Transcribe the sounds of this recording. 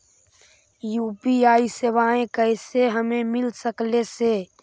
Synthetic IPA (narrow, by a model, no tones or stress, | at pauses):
juːpiaːiseʋaːẽkəɪseɦəmẽmɪlsəklese